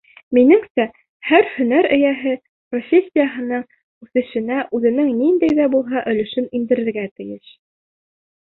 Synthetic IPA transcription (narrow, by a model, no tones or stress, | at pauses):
minɘŋsæ | hæɾhɵ̆næɾɘ̆jæɦɘ | profʲesʲːijaɦɤ̆nɤɴ | ʉθɘ̆ʃɘ̆næʔʉðɘ̆nɘŋnind̪æjðæbulˠɦɑʔɵ̆lɵ̆ʃɘnind̪ɘ̆ɾɘ̆ɾɡæt̪ɘ̆jɘʃ